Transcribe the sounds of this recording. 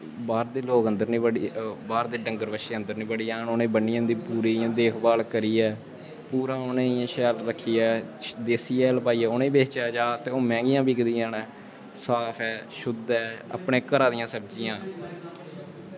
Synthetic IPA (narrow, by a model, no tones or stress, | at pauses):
baːɾd̪eːloːkə̃nd̪əɾniːbəɽiːbaːɾd̪eːɖəŋɡəɾbəʃeːə̃nd̪əɾnĩːbəɽiːaːnoːnẽːbənːiːãnd̪iːpuːɾiːãːd̪eːkʰbaːlkəɾiːɛː | puːɾãːonẽːãːʃɛːlɾəkʰːiːɛːd̪eːsiːɛːlpaːiːɛːoːnẽːbeːt͡ʃaːd͡ʒaːt̪eːoːmɛ̃ːŋɡɪjãːbiːkd̪ijãːnɛː | saːpʰɛːʃʊd̪ɛːə̰pɳẽːkəɾaːd̪ɪjãːsəbd͡ʒɪjãː